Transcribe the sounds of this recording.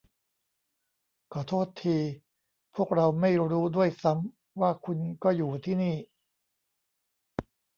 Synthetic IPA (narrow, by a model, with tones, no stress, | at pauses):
kʰɔː˨˩t̪ʰoː˥˩t̪ʰːiː˧ | pʰu˥˩ək̚ɾa˧wma˥˩jɾuː˦˥du˥˩əjsa˦˥m | waː˥˩kʰu˧nkɔː˥˩juː˨˩t̪ʰiː˥˩niː˥˩